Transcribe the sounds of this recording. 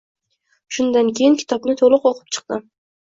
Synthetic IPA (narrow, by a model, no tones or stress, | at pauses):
ʃʊnd̪ankʲʰejɪnkʲʰɪ̥t̪ʰɒpnɪt̪ʰolˠʊqɒqʰɨ̥p̚t͡ʃʰɨ̥q̚d̪ɪ